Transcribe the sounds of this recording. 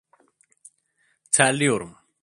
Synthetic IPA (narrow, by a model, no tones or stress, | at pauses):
t͡sʰalioɾum